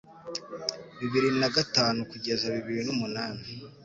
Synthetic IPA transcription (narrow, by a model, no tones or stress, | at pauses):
βiβiɾinaɡataːnukuɟe̞zaβiβiɾinumunaːni